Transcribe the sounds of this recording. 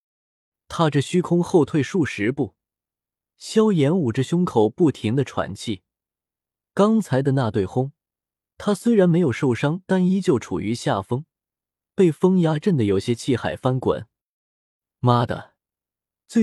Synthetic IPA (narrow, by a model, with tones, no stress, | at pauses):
t̪ʰa˥ʈ͡ʂɤ˥˩ɕy˥kʰʊ˥ŋxo˥˧ʊt̪ʰwe˥˧ɪʂu˥˩ʂɻ̩˧˥pu˥˩ | ɕjɑ˥ʊjɛ˧˥nu˨˩ʈ͡ʂə˥˧ɕjʊ˥ŋkʰo˨˩ʊpu˥˩t̪ʰi˧˥ŋd̪ə˧ʈ͡ʂʰwa̰˧˥nt͡ɕʰi˥˩ | kɑ˥ŋt͡sʰa˧˥ɪd̪ə˧na˥˧t̪we˥˩ɪxʊ˥ŋ | t̪ʰa˥swe˥ɪɻa˧˥nme˧˥ɪjo˨˩ʊʂo˥˩ʊʂɑ˥ŋt̪a˥˩ni˥t͡ɕjo˥˩ʊʈ͡ʂʰṵ˨˩y˧˥ɕja˥˩fɤ˥ŋ | pe˥˩ɪfɤ˥ŋja˥ʈ͡ʂə˥˩nd̪ə˩jo˨˩ʊɕjɛ˥t͡ɕʰi˥˩xa˨˩ɪfa˥nkwa̰˨˩˦n | ma˥d̪ə̰˨˩ | t͡swe˥˩